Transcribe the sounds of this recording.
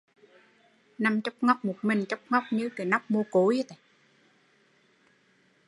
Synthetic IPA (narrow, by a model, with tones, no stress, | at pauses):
na˧mt͡ɕa˦˥k͡p̚ŋa˦˥wk͡p̚mo˨˩t̚mï˨˩ŋ̟t͡ɕɔ˦˥wk͡p̚ŋɔ˦˥wk͡p̚ɲɨ˧˥ke˨˩na˦˥wk͡p̚mo˧ko˨˦jə˧˦t̪e˨˩